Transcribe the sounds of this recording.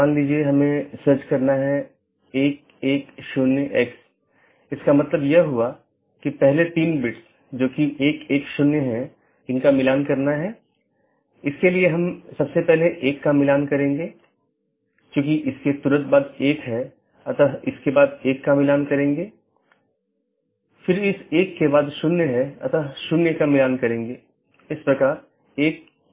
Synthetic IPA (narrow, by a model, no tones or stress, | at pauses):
ãːŋɡliːd͡ʒieɦɐmẽsəɾt͡ʃkɐɾnaɦɛ | eːk̚ | eːkʃʊnjəʔɛːks | ɪskamɐt̪ləbjeɦua | kipɛɦlet̪iːnbɪʈs | d͡ʒoːkieːkeːkʃʊnjəɦɛ̃ | ɪnkamɪlaːnkɐɾnaɦɛ | ɪskelieɦɐmsɐbsepɛɦleʔeːkːamɪlaːnkɐɾẽːŋɡeː | kjõːkiʔɪsket̪uːɾət̪̚baːd̪eːkɦɛ | ɐt̪aɪskebaːd̪eːkːamɪlaːnkɐɾẽːŋɡeː | fɪɾɪseːkːebaːd̪ʃʊnːɦɛɐ̰t̪aʃʊnːekamɪlaːnkɐɾẽːŋ̆ɡeː | ɪspɾɐkaːɾ | eːk̚